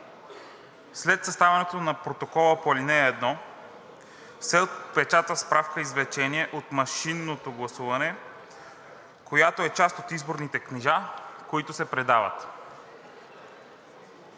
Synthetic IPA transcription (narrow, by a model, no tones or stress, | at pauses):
slɛt̪sɐst̪avɐnɛt̪onɐpɾot̪okɔlˠəpolinɛːd̪nɔ | fsɛopɛt͡ʃat̪əspɾafkəizvlɛt͡ʃɛniɛʔot̪mɐʃinːot̪oɡlˠɐsuvɐnɛ | kojat̪oɛt͡ʃast̪ot̪izboɾnit̪ɛkniʒakoit̪ʊsɛpɾɛd̪avə̰t̪